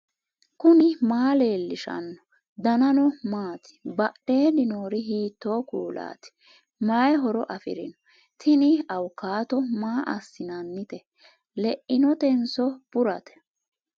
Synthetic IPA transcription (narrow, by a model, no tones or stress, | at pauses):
kʊnɪmaːleːlːɪʃɐ̰nːɔ | d̪ɐnɐnɔmaːt̪ɪ̥bɐɗe̞ːnɪnoːɾɪɦiːt̪ːoːkuːla̰ːt̪ɪ̥ | mɐjɛɦɔɾɔʔɐfɪ̰ɾɪ̰nɔ̥ | t̪ʰɪnɪɐwkːaːt̪ɔmaːʔɐsːɪnɐnːɪt̪ɛ | lɛʔːɪnɔt̪ɛnsɔb̥ʊɾɐt̪ɛ̥